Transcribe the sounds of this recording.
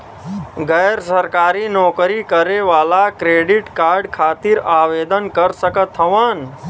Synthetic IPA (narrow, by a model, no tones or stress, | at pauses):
ɡəjɾsəɾkaːɾinɔːkɾikəɾeʋaːlakɾeːɖiʈkaːɾɖkʰaːt̪iɾaːʋed̪ənkəɾsəkət̪ʰːəʋən